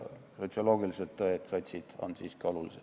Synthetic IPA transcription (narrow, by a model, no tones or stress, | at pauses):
so̞t̪sio̞lo̞ːɡ̥iliselt̪ːoet̪sɑt̪ʲsid̪̥ɑ̰nd̪siskɑlulise